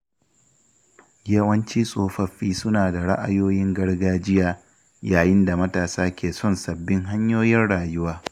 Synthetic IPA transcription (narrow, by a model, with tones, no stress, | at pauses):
jɐ˦wɐ˦nt͡ʃiː˦sʼoː˦ɸɐ˦ɸːiː˦sʊ˦naː˨da˨ɽa̰˦ʔa̰˨joː˦jɪ˦ŋɡɐ˦ɽɡaː˦d͡ʒɪ˦jaː˦ | jaː˨jɪ˦nda˨mɐ˦taː˨saː˦kʲeː˨sɔ˦˨nsɐ˨bːɪ˦ŋɦa˦ɲjoː˦jɪ˦nɽaː˨jʊ˦waː˦